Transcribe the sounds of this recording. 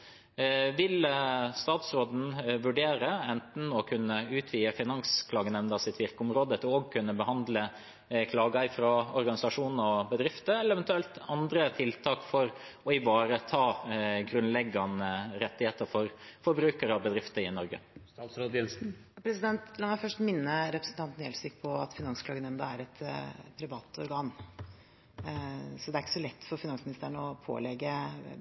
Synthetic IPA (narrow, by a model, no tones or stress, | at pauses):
ʋɪlst̪ɑːt̪sɾoːd̪n̩ʋʉɖeːɾəɛnt̪n̩ɔkʰʉnːəʉːt̪ʰʋiːəfɪnɑŋskʰlɑːɡənɛnd̪ɑsɪt̪ʋɪɾkəʊmɾoːd̪ət̪ʰɪlɔɡ̚kʰʉnːəbəhɑnd̪lə | kʰlɑːɡɑɪfɾɑɔɾɡɑnɪsɑʂuːnn̩ɔbəd̪ɾɪft̪əɛlːəɛʋɛnt̪ʉɛlt̪ɑnd̪ɾət̪ʰɪlt̪ʰɑːkfɔɾɔɪʋɑːɾət̪ʰɑːɡɾʉnlɛɡːɑnəɾɛt̪ːɪheːt̪əɾfɔɾfɔɾbɾʉːkəɾəɔbəd̪ɾɪft̪əɪnɔɾɡə̰st̪ɑt̪sɾoːd̪ɛnsn̩pʰɾɛsɪd̪ɛnt̪lɑːmæɪfœʂʈmɪnːəɾɛpɾəsn̩t̪ɑnt̪n̩ɛlsɪkpʰɔɑ̰t̪fɪnɑŋsklɑːɡənɛmd̪ɑæɾɛt̪pʰɾɪʋɑːt̪ɔɾɡɑːn | sɔd̪ɛæɾɪkːə̥sɔlɛt̪ːfɔɾfɪnɑŋsmɪnɪst̪æɳəɔpʰo̰ːlɛɡːə